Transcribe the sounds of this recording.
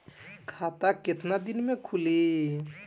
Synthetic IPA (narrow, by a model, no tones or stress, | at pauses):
kʰat̪aket̪nad̪inmekʰuli